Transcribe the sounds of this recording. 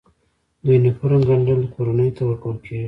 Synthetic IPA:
d̪ujnepoɾamɡaɳɖald̪əkʰoɾanəjot̪awəɾkawəlkʰeɡi

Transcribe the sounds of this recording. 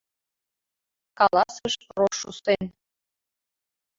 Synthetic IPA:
kɑlɑsəʃroʃːust̪en

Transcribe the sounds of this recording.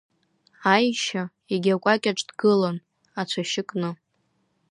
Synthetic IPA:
ajʃa | eɡʲakʷʼakʲʼaʈ͡ʂʼdɡɨlan | at͡ʃʷʰaʃɪkʼnɨ

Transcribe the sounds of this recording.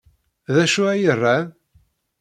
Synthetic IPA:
ðæʃuæjərˤːa

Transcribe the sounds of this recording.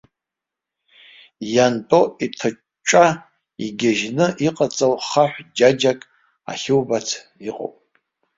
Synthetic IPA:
jantʼoitʰɨ | t͡ʃʷʼa | iɡʲaʒnɨʔiqʼat͡sʼawχaħʷd͡ʒad͡ʒakʼ | a̰χʲɪwbat͡sʰiqʼo̰wpʼ

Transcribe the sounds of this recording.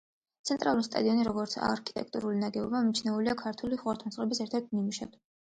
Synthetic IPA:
t̪sʰɛnt̪ʼɾʔalˠuist̪ʼa̰d̪iɔniɾɔɡɔɾt̪sʰa̰ɾkʰi̥t̪ʼɛ̰k̚ʰt̪ʼuɾulinaɡɛɔbamit͡ʃʰnɛuliakʰaɾt̪ʰuliχwaɾt̪ʰansχʼɾɛbisɛɾt̪ʰɛɾt̪̚mimuʃa̰b̪

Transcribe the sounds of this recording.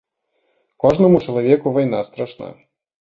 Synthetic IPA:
kɔʐnɐmut͡ʂɐlˠavʲɛkuvajnast̪ɾaʂna̰

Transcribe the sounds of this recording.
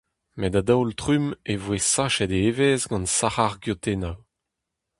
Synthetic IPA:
mɛd̪ad̪awltʁymevwesaʃɛd̪eeveːzɡɑ̃nsaʁaʁɡjot̪enaw

